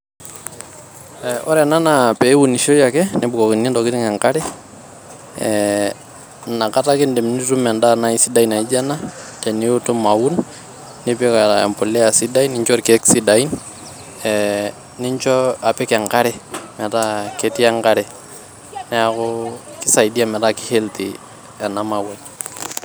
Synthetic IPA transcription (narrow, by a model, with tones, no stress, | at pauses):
ɛʔɔ˦ɾɛ˨na˦napɛ˨˦wu˨ni˨ʃɔ˦ja˨kɛ˦nɛ˦bu˨kɔ˨kɪ˨ni˦ndɔ˨kɪtɪ˦ŋɛ˨ŋka˦ɾɛ˦ | ɛ | na˨ka˦ta˦kɪ˦nde˨mnu˦tu˦mɛ˨nda˦na˦i˦si˦da˦ina˨i˦d͡ʒɛ˦na˦tɛ˨ni˦u˦tu˦ma˨wu˦n | nɪ˦pe˦kaɾaɛ̰˨mpʊ˨lɛ˦a˨si˦da˦inɪ˦ɲt͡ʃɔ˦ɾkeksidain | ɛ | nɪ˦ɲt͡ʃɔ˦a˨pɛ˦kɛ˨ŋka˦ɾɛ˦mɛ˨ta˦keti˦a˦ŋka˦ɾɛ˨ | nɛ˦akʊkɪ˦sa˨jdi˦a˦mɛ˨takɪhe˦ltḭ | ɛ˨namawɔ˨ɲ